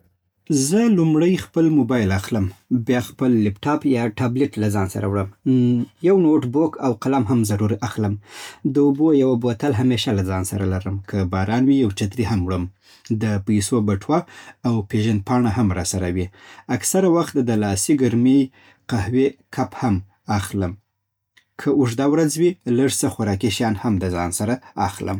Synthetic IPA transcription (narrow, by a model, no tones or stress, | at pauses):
zəlumɽəjxpəlmobɑjlaxləmbjɑxpəlːɪpʈɑpjɑʈableʈlazɑnsa̰ɾa̰wɽəmjawnoʈbokʰawqalamɦamzaɾuɾaxləmd̪əubojawabot̪alɦameʃalazɑnsa̰ɾalaɾəmkʰəbɑɾɑnwijawt͡ʃat̪ɾiɦamwɽəm | d̪əpajsobaʈwaːwpeʒand̪̚pɑɳaɦamɾɑsaɾawiaksaɾawaxt̪d̪əlɑsiɡaɾmij | qahwekʰapham | axləm | kʰəʊʒd̪awɾazwilaʐsəxaɾɑkiʃjɑnhamd̪əzɑ̰nsaɾaaxlə̰m